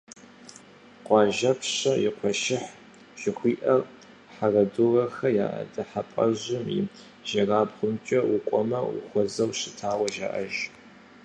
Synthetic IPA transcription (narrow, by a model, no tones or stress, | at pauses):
qʷɑːʒɐpʰɕɐjɪqʷʰɔʃɪħ | ʒ̥ɪxʷiːʔɐr | ħarɐdurɐxɐja̰ːʔɐ̰dɐħapʼɐ̰ʑɪmiː | ʒ̥ɐraːbχʷʊmt͡ʃʼɐwʊkʷʼɔmɐʊ̰xʷɔzɐwɕɪtʰaːwɐʒa̰ʔɐʒ